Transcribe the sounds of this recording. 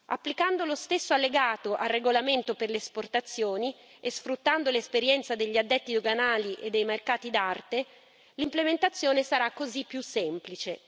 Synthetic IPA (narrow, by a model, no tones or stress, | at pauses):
a̰pːlikand̪olost̪esːoalːeɡaːt̪oʔarːeɡolament̪operleːsport̪at̪sːjoːni | esfɾut̪ːand̪olespeɾjɛnt̪sad̪eʎːiad̪ːɛt̪ːid̪oɡanaːliʔed̪ːejmerkaːt̪id̪art̪e | limplement̪at̪sːjoːnesaɾakːozipːjusːɛmplit͡ʃe